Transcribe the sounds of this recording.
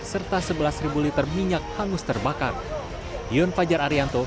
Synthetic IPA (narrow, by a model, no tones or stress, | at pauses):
sərt̪asəbəlasribulit̪ərmiɲak̚haŋʊst̪ərbaka̰r | iɔnfad͡ʒaɾaɾiant̪o